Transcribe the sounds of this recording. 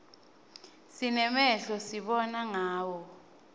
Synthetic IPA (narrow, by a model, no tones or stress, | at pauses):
sinɛmɛɬɔsiɓɔnaŋaːwɔ